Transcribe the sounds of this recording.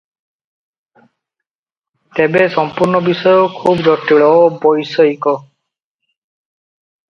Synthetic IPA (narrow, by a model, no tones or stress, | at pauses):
t̪ɛbɛsɔmpuɹnɔbisɔjokʰubzɔtiɭɔbɔjsɔikɔ